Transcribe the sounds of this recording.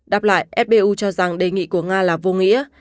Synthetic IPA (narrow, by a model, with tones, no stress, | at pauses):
ɗa˨˩p̚la̰ː˧˨jʔɛ˦˥p̚ɓe˧ʔu˧t͡ɕɔ˧za˨˩ŋɗe˨˩ŋḭ˧˨ku˧˩əŋaː˧laː˨˩vo˧ŋḭ˧˥ə